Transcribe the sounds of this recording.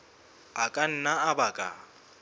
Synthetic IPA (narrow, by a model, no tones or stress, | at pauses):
akʼan̩naabakʼa̰